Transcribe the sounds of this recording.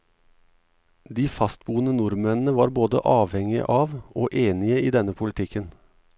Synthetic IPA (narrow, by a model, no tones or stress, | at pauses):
d̪iːfɑst̪̚buːənənʊɾmɛnn̩əʋɑːɾboːd̪ə̰ʔɑːʋhɛŋɪ̰ʔɑːʋoːʔeːnɪəiːd̪ɛnəpʰʊlɪt̪ʰɪkən